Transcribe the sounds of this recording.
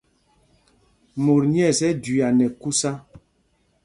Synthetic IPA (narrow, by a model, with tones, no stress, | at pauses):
mo˨ɾɲ˦ɛ˦˨sɛ˦di˨a˨nɛ˨ku˦sa˦